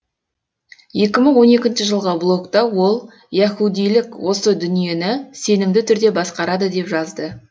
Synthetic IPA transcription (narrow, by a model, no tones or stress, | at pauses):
je̞k̬ʲɪməɴwo̞ne̞kʲɪnʃɪʒəlˠʁəblˠo̞kt̪ɑwo̞lˠ | jɑxud̪ijlɪkwo̞səd̪ʏnije̞nɪse̞nɪmd̪ɪt̪ʰʏɾd̪e̞bɑsqɑɾɑd̪əd̪e̞pʒɑzd̪ə